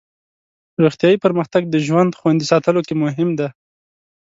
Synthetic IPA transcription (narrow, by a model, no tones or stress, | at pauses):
ɾoxt̪jɑjipəɾməxt̪aɡ̚d̪əʒwand̪xwand̪isɑt̪əlokemʊɦɪmd̪a